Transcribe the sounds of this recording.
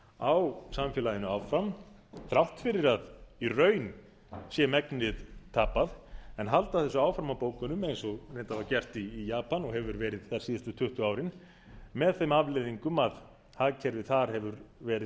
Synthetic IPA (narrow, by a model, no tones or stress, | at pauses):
awsamfjɛlajɪnʏawfɾam | θɾawht̪fɪɾɪɾaðirœːɥn | sjɛmɛknɪðt̪ʰaːpaðɛnɦalt̪aθɛsːʏaːwfɾamapoːwkʏnʏmejnsɔɣneːt̪avacɛr̥t̪iːjaːpanɔɣɦɛvʏɾvɛːɾɪðθḁsiːðɪst̪ʏt̪ʰʏht̪ʏaːwɾɪn | mɛðθemavleːðiŋkʏmað | haðcʰɛɾvɪðθaɾ̥hɛvʏɾvɛːɾɪ